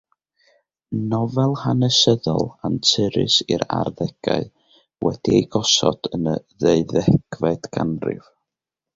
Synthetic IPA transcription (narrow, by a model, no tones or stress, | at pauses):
nɔvɛlˠhanɛsəðɔlˠantʰɪɾɪ̰siɾarðɛɡ̥aɨ | wʔɛd̥iejɡɔsɔd̥ənəðeɨðɛɡ̥vɛd̥ɡ̥anrɪ̰v̥